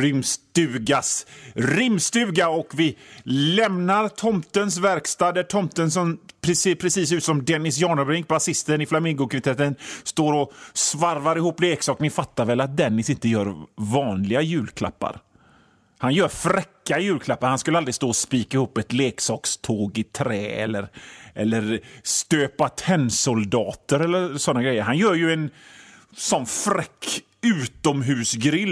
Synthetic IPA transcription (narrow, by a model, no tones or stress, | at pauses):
ɪmst̪ʉ̟ːɡasɾɪmst̪ʉ̟ːɡaɔkvɪlɛmnaɾt̪ʰɔmt̪əns̬væɾkst̪ɑːd̪æʈʰɔmt̪ənsɔmpʰɾɛseːpʰɾɛsiːs̬ʉt̪sɔmd̪ɛnɪsjɑːɳɔbɾɪŋk̚basɪst̪ənɪflamɪŋɡʊkʰvɪt̪ʰɛt̪ːənst̪oːɾɔsvaɾvaɾɪhuːpːleːksɑːknɪfat̪ːaɾvɛlat̪̚d̪ɛnːɪsɪnt̪əjœːɾvɑːnlɪɡajʉ̟ːlkʰla̰pːa̰ɾ | hanjœːɾfɾɛkːajʉ̟ːlkʰlapːaɾhanskɵləald̪ɾɪst̪oːɔspiːkaɪhuːpːɛt̪leːksɑːkst̪ʰoːɡɪt̪ʰɾɛːɛ̰lːəɾʔɛlːəɾst̪øːpat̪ʰɛnːsʊld̪ɑːt̪əɾɛlːəɾsɔnːaɡɾɛjːəɾɦanjœːɾjɵɛn | sɔnfɾɛkː | ʉ̟ːt̪ɔmɦʉ̟ːsɡɾɪlː